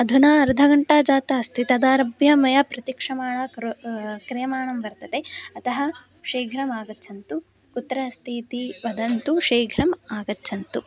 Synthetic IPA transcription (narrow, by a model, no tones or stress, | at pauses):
ɐd̪ʱunaːɐɾd̪ʱɐɡɐɳʈaːd͡ʒaːt̪ɐɐst̪ʰit̪ɐd̪aːɾɐbjɐmɐjɐpɾɐt̪jikʂɐmaːɳɐ | kɾejɐmaːɳɐmbɐɾt̪ɐt̪eɐt̪ɐɦɐ | ʃeːɡʱɾɐmaːɡɐːt͡ʃʰɐnt̪u | kut̪ːɾɐst̪ʰiːt̪iʋɐd̪ɐnt̪uʃeːɡʱɾɐmaːɡɐtːt͡ʃʰɐnt̪u